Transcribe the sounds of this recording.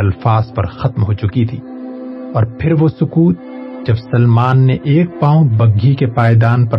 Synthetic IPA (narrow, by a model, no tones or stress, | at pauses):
ɐlfaːzpɐ̰ɾxɐt̪mɦot͡ʃʊkit̪ʰiː | ɔːɾpʰɪɾʋosʊkuːt̪̚ | d͡ʒɐbsɐlmaːnːeʔeːk̚paːõbɐɡʱːikepaːɪd̪aːnpɐ